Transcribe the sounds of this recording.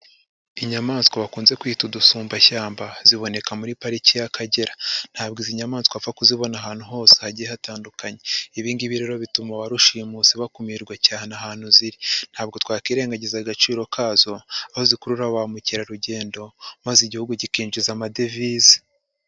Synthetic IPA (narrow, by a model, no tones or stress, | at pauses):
iɲamaːnskoβakuːnze̞kwiːtudusuːmbaçaːmbaziβo̞ne̞kamuɾipaɾicijakʰaɟe̞ɾan̥haːbɡiziɲamaːnskoafakuziβo̞naɦaːn̥huɦo̞ːse̥haɟijehataːndukaɲe̞iβiːndiβiɾeɾo̞βitumaβaɾuʃimusiβakumiɾɡwacaːhenaɦaːn̥huziɾin̥haːb̚ɡo̞twaːkiːɾe̞ːŋɡaɟezaɡat͡ʃiːɾo̞kʰaːzo̞ahozikuɾuɾaβamuciɾaɾuɟe̞ːndo̞maziɟihuɡuɟikiːnd͡ʒizamadevizi̥